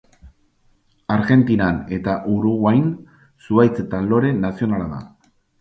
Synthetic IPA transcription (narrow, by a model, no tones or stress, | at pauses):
aɾɣe̞nt̪inane̞t̪aʔuɾuɣwajn | suajt͡set̪alo̞ɾe̞nasio̞nalaða̰